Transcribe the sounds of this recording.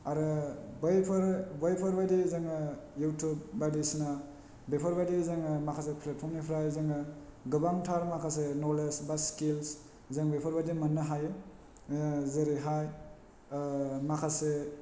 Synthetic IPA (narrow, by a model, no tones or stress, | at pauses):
aɾɯbjpʰɯɾbajpʰɔɾbajdizaŋɯjutʰub̚ːadisina | bejpʰɔɾbajdizaŋɯmakʰas̬epʰlet̚pʰɔmnipʰɾajzaŋɯɡɯbaŋtʰaɾmakʰasenɔlesbaskils | zaŋbajpʰɔɾbadimanːɯɦaje | zeɾiɦaj | makʰase